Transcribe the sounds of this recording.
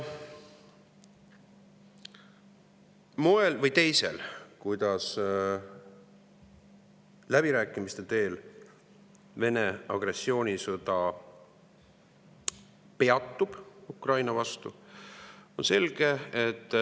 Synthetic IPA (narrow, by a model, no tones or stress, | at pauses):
mo̞e̞lvɤjt̪e̞jse̞̰lkujd̪̥ɑs | læb̥iɾæːkːˑimist̪e̞t̪e̞ːl | ve̞neɑɡ̥re̞sːio̞ːnʲisɤd̪ɑ | pe̞ɑt̪ːˑub̥ukrɑjnɑvɑst̪u | o̞nse̞lɡ̥e̞et̪ːˑ